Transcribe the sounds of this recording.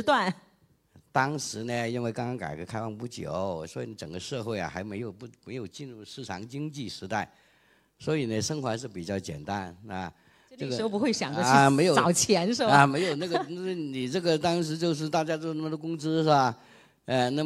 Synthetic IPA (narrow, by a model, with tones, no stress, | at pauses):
t̪wa˥˩n | t̪ɑ˥ŋʂɻ̩˧˥nə˧i˥nwe˥˩ɪkɑ˥ŋkɑ˥ŋka̰˨˩ɪkə˧˥kʰa˥ɪwɑ˥˧ŋpu˥˩t͡ɕjo̰˨˩˦ʊswɔ˧˥i˧˩ni˧˩ʈ͡ʂə˨˩ŋɡə˦ʂɤ˥˧xwe˥˩ɪɐ̰˩xa̰˧˥ɪme˧˥ɪjo˨˩ʊpu˥˩me˧˥ɪjo˨˩ʊt͡ɕi˥˧nɻu˥˧ʂɻ̩˥˩ʈ͡ʂʰɑ̰˧˥ŋt͡ɕi˥ŋt͡ɕi˥˩ʂɻ̩˧˥t̪a˥˩ɪ | swɔ˧˥i˨˩nə˦ʂə˥ŋxwa˧˥ʂɻ̩˥˩pi˨˩t͡ɕjɑ˥˩ʊt͡ɕjɛ̰˨˩nt̪a˥na˧˩˥ | ʈ͡ʂə˥˩ɡə˧˥o˧pu˧˥xwe˥˩ɪɕjɑ̰˨˩ŋɡ̪ə˥me˧˥ɪjo˨˩ɑ˨˩ʊt͡ɕʰjɛ˧˥nʂ̬ɻ̩˥˩a˧˩me˧˥ɪjo˨˩ʊna˥˩ɡə˥˩˥ni˨˩ʈ͡ʂɤ˥˩ɡə˩t̪ɑ˥ŋʂ̬ɻ̩˧˥t͡ɕjo˥˧ʊʂ̬ɻ̩˥˧t̪a˥˩t͡ɕja˥t͡so˥˧˥na˥˩mə˩d̪ə˧kʊ˥ŋt͡sɹ̩˥ʂa˥˩ | ə˥˧na˥˧